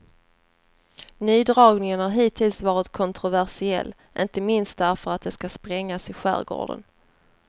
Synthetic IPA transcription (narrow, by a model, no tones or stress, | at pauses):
nyːd̪ɾɑːɡnɪŋənaɾɦiːt̪ʰɪlsvɑːɾɪt̪kʰɔnt̪ɾʊvæɾʂɪɛ̰lː | ʔɪnt̪əmɪnst̪̚d̪æɾfœɾat̪̚d̪ɛskaspɾɛŋːasɪɧæ̰ːɾɡo̰ːɖə̰n